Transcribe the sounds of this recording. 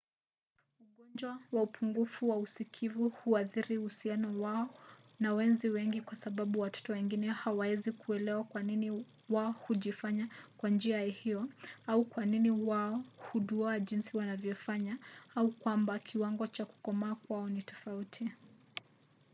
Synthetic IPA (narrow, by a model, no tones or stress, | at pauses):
uɠɔnd͡ʒwawaupʰuŋɡufuwausikʰivuhuaθiɾiuhusianɔwaɔ | nawɛnziwɛŋɡikwasaɓaɓuwatɔ̥tɔwɛŋɡinɛhawaɛzikuɛlɛwakwanini | waɔhuʄifaɲakwand͡ʒiahiɔaukwaniniwaɔhuɗuɔaʄinsiwanavjɔfaɲaaukwambakʰiwaŋɡɔt͡ʃaku̥kɔmaːkwaɔnitɔ̥fautʰi